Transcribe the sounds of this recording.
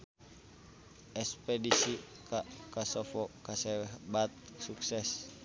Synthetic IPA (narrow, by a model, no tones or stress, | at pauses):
ʔɛspɛdisikaʔkasɔfɔkasɛwɛɦbat̪̚suksɛs